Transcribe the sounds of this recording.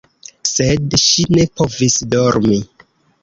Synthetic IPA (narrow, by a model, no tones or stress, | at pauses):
sedʃine̞po̞visdoɾmi